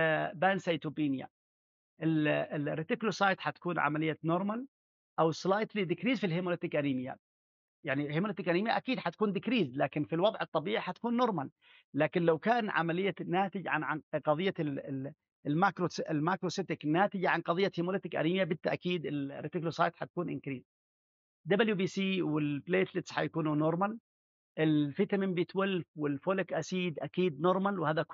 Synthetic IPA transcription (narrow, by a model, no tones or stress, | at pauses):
baːnsajt̪ubiːnɪja̰ | ʔɪlɪɾɪt̪ɪklosˤɑːjt̪ħat̪ḁkuːnʕa̰malɪjːanʊɾˤmal | ʔawslaːjt̪lid̪ɪkɾiːzfilɦɪmolɪt̪ɪkʔaɾiːmɪjːa̰ | jaʕnihɪmolet̪ɪkʔaniːmɪja̰ʔakiːd̪ħat̪kuːnd̪ɪkɾiːzlaːkɪnfilwɑðˤʕɨt̪ˤːɑbiːʕħat̪ḁkuːnːʊɾˤmal | laːkɪnlawkaːnʕa̰malɪjːanaːt̪ɪd͡ʒʕa̰nʕanqɑðˤɨjːa | lmakɾoɪlmakɾosɪt̪ɪknaːt̪ɪd͡ʒaʕanqɑðˤɨjːat̪himoːlɪt̪ɪkʔa̰ɾiːmjabɪt̪ːaʔkiːd̪ɪlɾɪt̪ɪklosˤɑːjt̪ħat̪akuːnʔɪ̰nkɾiːz | d̪abɪljubiːsiːwɪlbleːt̪lɪt̪sħa̰jakuːnunoɾˤmal | ʔɪlfɪt̪amɪmbiːt̪wɪlfwɪlfoːlɪkʔasiːd̪ʔakiːd̪noɾˤmalwhaːða